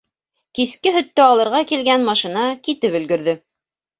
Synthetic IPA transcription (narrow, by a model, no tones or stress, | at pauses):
kiskɘɦɵ̆t̪ːɘɑlˠɤ̆ɾʁɑkilɡænmɑʃĭnɑkit̪ɘpɵ̆lɡɵ̆ɾðɘ